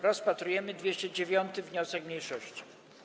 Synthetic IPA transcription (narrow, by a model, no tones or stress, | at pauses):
ɾɔspat̪ɾujɛmɘd̪vʲjeɕt͡ɕɛd͡ʑevʲjɔnt̪ɘvɲɔsɛkmʲɲejʂɔɕt͡ɕi̥